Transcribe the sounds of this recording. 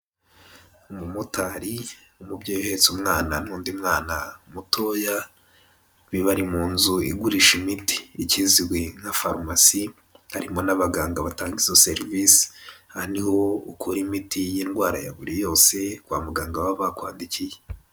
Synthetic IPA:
umumutaɾiumubɟoːjohe̞t͡sumŋaːnan̥huːndimŋaːnaumutʰo̞ːja | βiβaɾimuːnzuiɡuɾiʃimiti̥ːciziwe̞nhafaɾmasi | haɾimo̞naβaɡaːŋɡaβataːŋɡizoseɾvisi̥haniho̞ukʰuɾimitijiːnɡwaːɾa̰ja̰βuɾijo̞ːse̞kwa̰ːmaɡaːŋɡaβaβakwaːndicije

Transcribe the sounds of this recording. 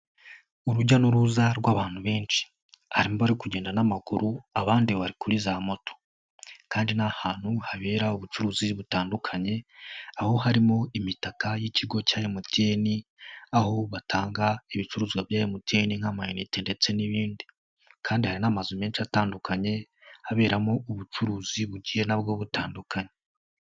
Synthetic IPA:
uɾuɟanuɾuzaɾɡwaβaːn̥huβe̞ːnʃi̥ | haɾimoβaɾikuɟe̞ːndanamakuɾuaβaːndiβaɾikuɾizamo̞to̥ | kaːndinahaːn̥huhaβeːɾauβut͡ʃuɾuːziβutaːndukʰaɲe̞aho̞haɾimo̞imitakajiciɡo̞caːjemuteniaho̞βatʰaːŋɡaiβit͡ʃuɾuːzɡwavjaːjemuteniŋhamajeniteːnde̞t͡se̞niβiːndi | kʰaːndihaɾinamazume̞ːnt͡ʃataːndukʰaɲe̞ | haβe̞ːɾamo̞uβut͡ʃuɾuːziβuɟije̞nabɡo̞βutaːndukʰaɲe

